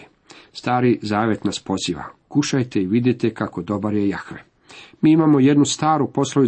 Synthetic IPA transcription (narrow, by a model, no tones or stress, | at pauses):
st̪aːɾizaːʋe̞t̪naspo̞ziːʋa̰kuʃajt̪e̞iʋid̪jet̪ekako̞d̪o̞baɾjejaxɾḛ | miːimamo̞je̞d̪nust̪aːɾupo̞slˠoʋi